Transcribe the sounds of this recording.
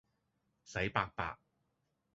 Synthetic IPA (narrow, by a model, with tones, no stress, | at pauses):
sɐ˨˥jpaː˧k̚pa̰ː˧k̚